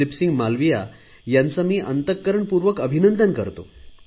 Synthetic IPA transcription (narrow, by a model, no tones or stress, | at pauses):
ipsiŋɡmalʋija̰ | jant͡samiːʔənt̪əkːəɾəɳpuɾʋəkəbʱinənd̪ənkəɾt̪o